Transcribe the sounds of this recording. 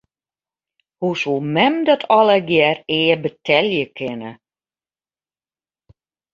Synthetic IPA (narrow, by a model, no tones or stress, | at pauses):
husulˠmɛmdɔtʰɔlˠəɡjɛreːəbətʰɛljəkʰɪnə